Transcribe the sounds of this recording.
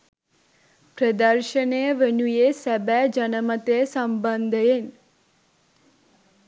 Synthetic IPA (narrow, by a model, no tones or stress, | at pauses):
pɾəd̪əɾʃəneʋənujesɛbɛd͡ʒənəmət̪esəmbənd̪ʱəjen